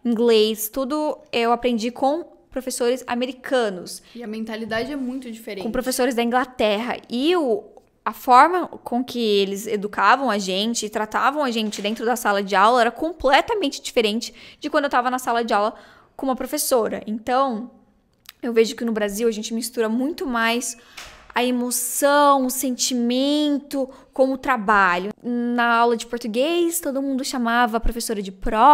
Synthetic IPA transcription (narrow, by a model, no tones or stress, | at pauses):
ĩŋɡlest̪ud̪ʊɛwapɾẽnd͡ʒikʰõ | pɾofesoɾɪza̰meɾikʰɐ̃nʊsɪɐmẽnt̪alid̪ad͡ʒɪɛmũj̃t̪ʊd͡ʒifeɾekõpɾofesoɾɪzd̪ɐĩŋɡlat̪ɛɦɐ̰ɪʊ | ɐfɔɾmɐkʰõkɪelɪzed̪ukavɐ̃w̃ɐʒẽnt͡ʃɪːt̪ɾat̪avɐ̃w̃ɐʒẽnt͡ʃɪd̪ẽnt̪ɾʊd̪ɐsalɐd͡ʒɪawlɐɛɾɐkõmplɛt̪ɐmẽnt͡ʃɪ̥d͡ʒifeɾẽnt͡ʃɪ̥d͡ʒɪkwɐ̃nd̪ewt̪avɐnɐsalɐd͡ʒɪawlɐ | kõũmɐpɾofesoɾɐ̰ʔẽnt̪ɐ̃w̃ | ewveʒʊkɪnʊbɾaziwɐʒẽnt͡ʃɪmist̪uɾɐmũj̃t̪ʊmajs | ɐemosɐ̃w̃ʊsẽnt͡ʃimẽnt̪ʊ | kõw̃ʊt̪ɾabaʎʊnɐawlɐd͡ʒɪpoɾt̪uɡejst̪od̪ʊmũnd̪ʊʃamavɐpɾofesoɾɐd͡ʒɪpɾɔ